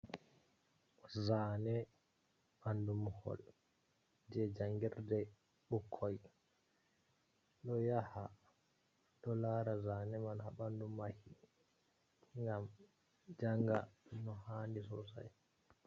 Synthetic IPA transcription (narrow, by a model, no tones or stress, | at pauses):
zaːnɛ | ɓandumhɔ̰l | d͡ʒɛd͡ʒaŋɡiɾdɛ | ɓukʰːɔj | ɗɔjaha | ɗɔlaːɾazanɛmanhaɓandumahi | ŋɡam | d͡ʒaŋɡa̰nɔhandisɔ̰sa̰j